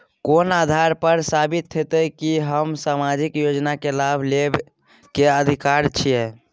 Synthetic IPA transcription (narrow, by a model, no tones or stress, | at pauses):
konad̪ʱaɾpəɾsabit̪ːet̪əkiɦəmsamad͡ʒikjod͡ʒnakelabʱleb | keəd̪ʱikaɾt͡ʃʰijɛ